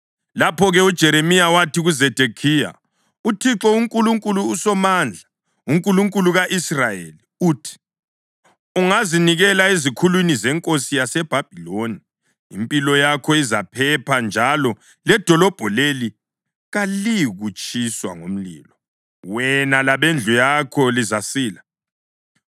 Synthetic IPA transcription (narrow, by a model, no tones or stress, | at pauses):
lapʰɔɣɛud̥ʒ̥ʱɛɾemijawatʰiɣuzɛd̥ʱekʰija̰ | utʰiǁɔuŋkʼuluŋkʼuluːsɔmand͡ɮʱa | uŋkʼuluŋkʼuluɣaʔisrajḛliuːtʰi̥ | uŋaziniɣɛlaizikʰulwinizɛŋkʼosijasɛb̥ʱab̥ʱiloniː | mpʼilɔjakʰɔizapʰɛpʰand͡ʒʱalɔ | lɛd̥ʱɔlɔb̥ʱɔleli | ɣaliɣut͡ʃʼiswa̰ŋo̰m̩lḭːlɔ | wɛnalaβend͡ɮʱujakʰɔlizasiːla